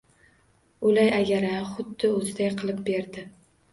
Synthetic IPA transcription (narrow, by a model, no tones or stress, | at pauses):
ʊlajaɡʲaɾaχʊd̪ːɪɵzɪd̪ajqʰɨlˠɪp̚beɾd̪ɪ